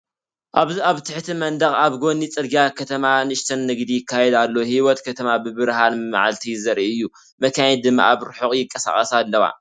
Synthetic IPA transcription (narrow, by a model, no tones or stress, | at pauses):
ʔaβziaβt̪ʰɨħt̪ʰimɐnd̪ɐχʼaβɡo̞nit͡sʼɨd̪ɡiakʰɐt̪ʰɐmanɨʃt̪ʰɐnːɨɡd̪ijɪkʰːajɛd̪alːohiwɔt̪kʰɐt̪ʰɐmabɨbɨɾhanmɨma̰ʕalt̪ʰizɐɾʔiʔɨjːu | mɐkʰajɛd̪ɨmːa̰ʔaβɾɨħoχʼjɪkʼːɐsa̰χʼɐsalːɐwa̰